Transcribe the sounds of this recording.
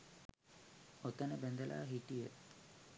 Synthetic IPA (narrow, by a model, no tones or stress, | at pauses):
ot̪ənəbɛnd̪əlʔa̰ːɦiʈijə